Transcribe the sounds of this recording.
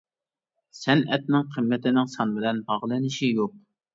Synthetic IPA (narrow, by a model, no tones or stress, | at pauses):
sɛnɛt̪̚nɪŋqʰəmːɪt̪ɪnɪŋsɑnbɪlɛnbɑʁlˠɨnɪʃijoq̚